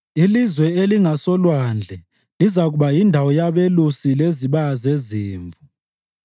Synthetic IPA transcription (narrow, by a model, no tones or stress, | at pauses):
ilizwɛeliŋasɔlwand͡ɮʱɛ | lizaɣuɓajindʱawɔjaβelusileziβazeziːɱvu